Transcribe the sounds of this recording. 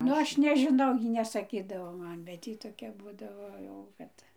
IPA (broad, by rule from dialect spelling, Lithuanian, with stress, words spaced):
ˈnʊ ˈɐʃ nʲɛʒʲɪˈnɐʊ ˈjiː nʲɛsɐˈkʲiːdɐʋoː ˈmɐn bʲɛt ˈjiː toːˈkʲɛ ˈbuːdɐʋoː jɛʊ ˈkɐt